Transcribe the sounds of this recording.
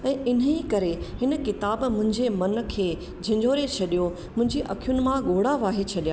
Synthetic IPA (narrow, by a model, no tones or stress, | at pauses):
ɛ̃ːɪn̤əikɐɾeɦɪnəkɪt̪aːbmʊ̃ɦɪ̃ɲd͡ʑemɐnə̆kʰeː | d͡ʑʱɪ̃ɲd͡ʑʱoːɾet͡ɕʰɐɗijo | mʊ̃ɦɪ̃ɲd͡ʑiʔɐkʰijʊnɪ̆mãɠoːɽaʋaːɦet͡ɕʰɐɗijaː